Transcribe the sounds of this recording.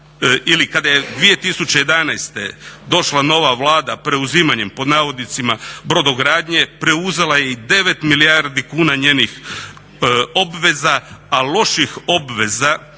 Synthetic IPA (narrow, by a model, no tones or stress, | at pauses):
ilikad̪ajed̪ʋije̞t̪isut͡ɕejed̪anajst̪e̞̰d̪o̞ʃlano̞ʋaʋlˠaːd̪apɾe̞uziːmaɲe̞mpo̞d̪naːʋo̞d̪nit̪simabɾo̞d̪oɡɾaːd̪ɲe̞pɾe̞uze̞laje̞id̪e̞ʋe̞t̪milijaɾd̪ikuːnaɲeːnix | o̞bʋe̞zaːlˠo̞ʃixo̞bʋe̞za